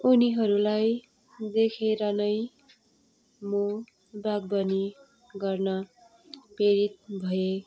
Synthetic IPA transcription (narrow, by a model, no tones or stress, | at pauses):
uniɦʌɾulaj | d̪ekʰeɾʌnʌj | mo | baɡ̚bʌni | ɡʌrnʌ | peɾit̪̚bʱʌje